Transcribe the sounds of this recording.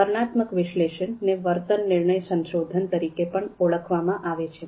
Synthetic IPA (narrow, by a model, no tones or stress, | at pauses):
əɾɳat̪məkʋɪʃleʃənːeʋəɾt̪ənːɪɾɳəjsə̃ŋʃod̪ʱənt̪əɾikepəɳoɭəkʰʋamãʔaʋet͡ʃʰe